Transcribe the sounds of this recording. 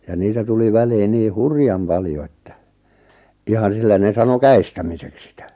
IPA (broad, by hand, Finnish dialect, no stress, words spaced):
jɑ niːtæ tuli ʋæliːn niː hurjɑm pɑljo etːæ ihɑn̞ silːæ ne sɑno kæistæmiseks sitæ